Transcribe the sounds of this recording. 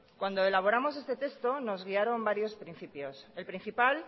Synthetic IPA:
kwand̪o̞e̞laβ̞o̞ɾamo̞s̬e̞st̪e̞t̪e̞st̪o̞no̞zɣ̞iaɾo̞mbaɾjo̞spɾin̟θipjo̞se̞lpɾin̟θipal

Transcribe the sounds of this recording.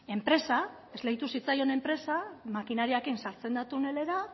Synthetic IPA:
e̞mpɾe̞sa | e̞zlejt̪usit͡sajo̞ne̞mpɾe̞samakinaɾiakinsaɾt͡se̞nd̪at̪une̞le̞ɾa

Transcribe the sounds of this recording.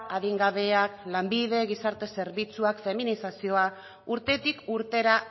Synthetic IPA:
aðiŋɡaβe̞aklambiðe̞ɣisaɾt̪e̞se̞ɾβit͡suakfe̞minisasio̞a | uɾt̪e̞t̪ikuɾt̪e̞ɾa

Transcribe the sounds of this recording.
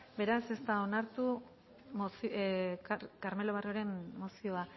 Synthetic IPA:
be̞ɾase̞st̪aonaɾt̪u | mosikkaɾme̞lo̞β̞arioɾe̞mːo̞sio̞a

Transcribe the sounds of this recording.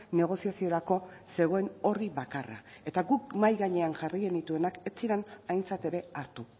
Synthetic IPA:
ne̞ɣ̞o̞siasio̞ɾako̞se̞ɣ̞o̞e̞no̞riβakara̰ | e̞t̪aɣukmajɣaɲe̞anʝarijenit̪ue̞nake̞t͡siɾanajnt͡sat̪e̞ɾe̞aɾt̪u

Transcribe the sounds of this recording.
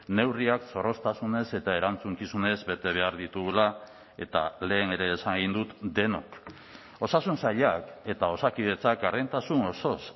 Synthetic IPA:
ne̞wriakso̞ɾo̞st̪asune̞se̞t̪ae̞ɾant͡suŋkisune̞zbe̞t̪e̞β̞e̞aɾðit̪uɣula | e̞̰t̪ale̞ːne̞ɾe̞ːsaŋɣind̪ut̪d̪e̞nok | o̞sasunsaʎake̞t̪ao̞sakið̞e̞t͡sakaɾent̪asuno̞so̞s

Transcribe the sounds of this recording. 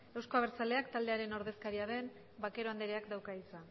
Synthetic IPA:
e̞wsko̞aβ̞eɾt͡sale̞akt̪ald̪e̞aɾe̞no̞ɾðe̞skaɾiaðe̞n | bake̞ɾo̞and̪eɾeakd̪awkaisa

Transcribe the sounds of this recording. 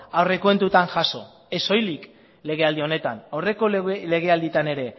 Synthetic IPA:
awrekwe̞nt̪ut̪aŋʝaso̞̰ | e̞so̞jlik | le̞ɣ̞e̞ald̪io̞ne̞t̪anawre̞kole̞ɣ̞e̞ald̪it̪ane̞ɾe̞

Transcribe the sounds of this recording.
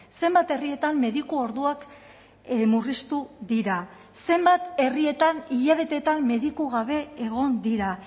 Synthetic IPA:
se̞mbat̪e̞rie̞t̪amːe̞ðikuo̞ɾðuak | murist̪uðiɾa | se̞mbat̪e̞rie̞t̪aniʎaβ̞e̞t̪e̞t̪amːe̞ðikuɣ̞aβe̞ːɣ̞o̞nd̪iɾa

